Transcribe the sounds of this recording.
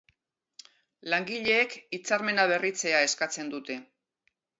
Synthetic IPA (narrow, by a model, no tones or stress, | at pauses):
laŋɡiʎe̞ːkit͡saɾme̞naβ̞e̞rit͡se̞ae̞skat͡se̞nd̪ut̪e̞